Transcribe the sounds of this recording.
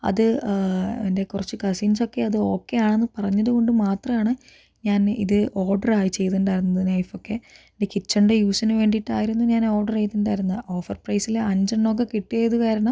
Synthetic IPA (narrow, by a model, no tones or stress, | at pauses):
ɐ̰ðɨ | ende̞kurɐt͡ɕːɨkɐsinso̞kːe̞ɐðɨo̞ːkːe̞jaːɳe̞nːɨpɐrɐɲːɐðɨko̞ɳɖɨmaːt̪rɐmaːɳɨ | ɲaːnḭðɨʔo̞ːrɖɐraːjit͡ɕe̞jt̪uɳɖaːjɾunːɐðinɐjfo̞kːe̞ | ndekit͡ɕːɐɳɖejuːsɐnɨʋe̞ːɳɖiʈːaːjiɾunːuɲaːno̞ːrɖɐrejt̪ːuɳɖaːjiɾunːɐo̞ːfɐrprɐjsilɐɲd͡ʑɐɳːok̬ːekiʈːijejðukaːɾɐɳɐm